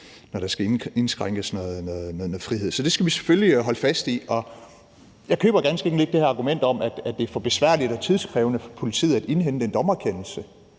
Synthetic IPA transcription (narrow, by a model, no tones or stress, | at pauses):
nɒɾɑ̈sɡ̥æe̝nsɡ̥ʁaŋ̰ɡ̥əsnɔːðˠnɔðˠnoːðˠnːð̩ˠfʁiɦe̝ð̰ˠsɒ̽d̥e̝sɡ̥æʋise̥følliɦɒ̽ləfæsd̥iʔɒ̽ | jɑ̈ɪkʰø̰ːb̥ɐɡ̥ænsɡ̥əeɡn̩le̝ɡ̥d̥e̝hæɐɑ̈ɡ̥umen̰d̥ɒ̽mæd̥æd̥e̝fɒ̽b̥e̝sʋæɐ̰lid̥ɒt͡sʰiðˠskʰʁɛːʊnəpʰo̝lit͡sʰḭð̰ˠæd̥e̝nɦen̰d̥end̥ɒ̽mɐkʰen̰l̩sə